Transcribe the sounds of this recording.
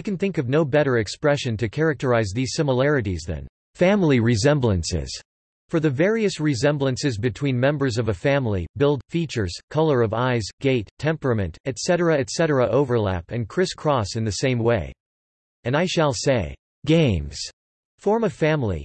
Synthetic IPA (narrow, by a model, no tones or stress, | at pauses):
aɪkɨ̃nθɪ̃ŋkʌvnoʊbɛɾə˞ɨkspɹɛʃɨ̃ntɨkʰɛɹɨk̚tə˞aɪzðiz̥sɪ̃məl̩ˠɛɹɨɾizðɨ̰̃n | fæ̃mlˠiɹɨzɛ̃mblə̃nsɪ̰z̥ | fə˞ðɨvɛɹiɨsɹɨzɛ̃mblə̃nsɨzbɨtʰw̥ĩnmɛ̃mbə˞zʌvɨfæ̃mlḭbɪlˠd̥fit͡ʃə˞z̥kʰʌlˠə˞ʌvaɪzɡ̥eɪtʰɛ̃mpɹɨmɨ̃ntɨtsɛɾə˞ɨɨtsɛɾə˞əʔoʊvə˞læ̰pɨ̃nkʰɹ̥ɪskʰɹ̥ɔsɨ̃nðɨsẽɪ̃mweɪ | ɨ̃naɪʃəlˠseɪ | ɡ̥ẽɪ̃mz̥ | fɔɹmɨfæ̃mlˠḭ